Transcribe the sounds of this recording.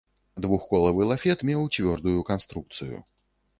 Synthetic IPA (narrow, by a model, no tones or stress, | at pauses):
d̪vuxkɔlˠɐvɨlˠafʲɛt̪mʲɛwt͡sʲvʲɔrd̪ujukanst̪ɾuk̚t̪sɨjṵ